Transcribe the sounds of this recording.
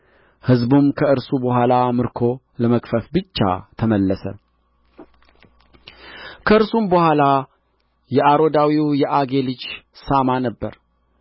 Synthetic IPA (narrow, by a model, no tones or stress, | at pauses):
hɨzbumkʰəɨɾsubəɦʷalamɨɾkʰo̞ | ləməkʼfəfbɨt͡ʃːa̰t̪ʰəməlːəsə̰ | kʰəɨɾsumbəhʷala | jɛʔaɾo̞d̪awiwjɛʔaɡe̞lɨt͡ʃsamanəbːə̰ɾ